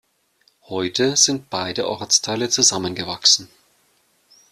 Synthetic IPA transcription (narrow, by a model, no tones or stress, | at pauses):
hɔʏtʰəz̥ɪnt̚b̥aɪdəʔɔɐt͡stʰaɪlət͡suzamənɡəvaksn̩